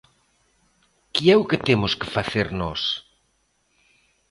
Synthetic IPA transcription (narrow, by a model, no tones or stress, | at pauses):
kɪɛʊkɪt̪emʊskefaθeɾnɔs